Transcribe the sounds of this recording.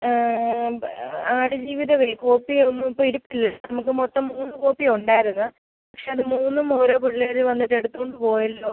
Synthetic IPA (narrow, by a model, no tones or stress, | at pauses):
aːɽɨd͡ʑiːʋiðɐʋeko̞ːpːionːuipːoːiɾupːilːɐnɐmukːɨmot̪ːɐmːuːnːɨkoːpːiuɳɖaːjiɾunːɐ | pɐkʂe̞ɐðɨmuːnːɨmoːɾoːpuɭːeːɾðʋɐnːiʈːe̞ɽut̪ːuko̞ɳɖɨpo̞ːjɐlːo̞ː